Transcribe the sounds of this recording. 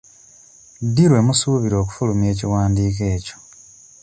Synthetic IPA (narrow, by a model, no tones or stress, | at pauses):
diɾwe̞musuːβiɾo̞ːku̥fulumje̞ːciwaːndiːke̞ːco̞̥